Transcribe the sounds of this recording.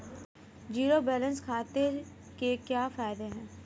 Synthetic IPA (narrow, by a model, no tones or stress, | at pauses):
d͡ʒiːɾobɛːlə̃nskʰaːt̪e | kekjaːfaːɪd̪eɦɛ̃ː